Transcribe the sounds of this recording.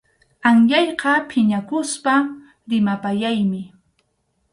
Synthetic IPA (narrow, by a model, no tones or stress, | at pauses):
aŋʎɑjqɑpʰɪɲakʊspa | ɾɪmapajajmɪ